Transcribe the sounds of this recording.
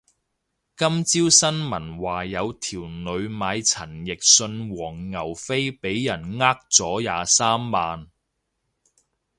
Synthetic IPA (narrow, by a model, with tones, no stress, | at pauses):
kɐ˥mt͡siː˥wsɐ˥nmɐ˨˩nwaː˨jɐ˨˧wt̪ʰiː˨˩wnɵ˨˧ɥmaː˨˧jt͡sʰɐ˨˩njɪ˨k̚sɵ˧nwɔː˨˩ŋŋɐ˨˩wfe˥jpe˨˥jːɐ˨˩nŋaː˥k̚t͡sɔː˨˥jaː˨˧saː˥mːaː˨˧n